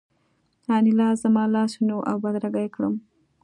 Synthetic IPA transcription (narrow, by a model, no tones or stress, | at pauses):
hɑnilɑzamɑlɑsnoʔa̰wbad̪ɾaɡajkɽə̰m